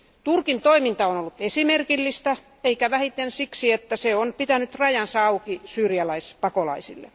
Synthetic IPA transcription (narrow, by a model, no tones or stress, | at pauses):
t̪urkint̪oimint̪ɑonolːut̪esimerkilːist̪ɑ | eikæʋæhit̪ensiksiet̪ːæseonpit̪ænyt̪rɑjɑnsɑukisyːrjælæispɑkolɑisḭlːḛ